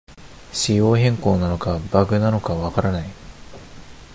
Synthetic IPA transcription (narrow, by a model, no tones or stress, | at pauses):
ɕijo̞ːɦẽ̞ŋko̞ːnano̞kabaɡɯ̟nano̞kaβakaɾanai